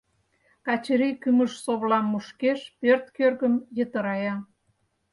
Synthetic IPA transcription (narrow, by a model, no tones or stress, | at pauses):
kɑt͡ɕəɾikyməʃsoβlɑmːuʃkeʃpørt̪kørɣəmjə̆t̪əɾɑjɑ